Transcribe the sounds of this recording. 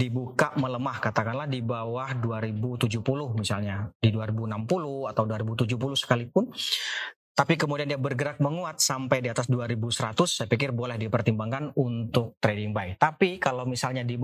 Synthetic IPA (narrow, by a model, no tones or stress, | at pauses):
dibukaʔmələmahkat̪akanlahdibawahduaɾibut̪ud͡ʒuhpulʊhmisalɲadiduaɾibunampulʊat̪awduaɾibut̪ud͡ʒuhpulʊhsə̥kalipʊn | t̪apikəmudiandiabərɡəɾak̚məŋuat̪̚sampajdiat̪asduaɾibusəɾat̪ʊsːajapikɪrbolɛhdipərt̪imbaŋkanunt̪ʊk̚t̪ɾedɪŋbajt̪apikalawmisalɲadi